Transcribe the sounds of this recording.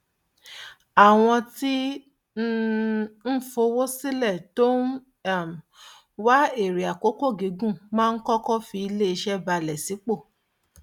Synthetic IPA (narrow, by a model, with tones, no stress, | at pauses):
a˨w̃ɔ̃˧ti˦ | n̩˦n̩˦fo˧wo˦si˦lɛ˦˨to˦n˦˨ | m˨ | wa˦e˦˨ɾi˨a˨ko˦ko˦˨ɡe˨˦ɡũ˦˨mãː˦˧n̩˦kɔ˦kɔ˦fi˧i˧le˦i˧ʃɛ˦ba˧lɛ˨si˨˦k͡po˦˨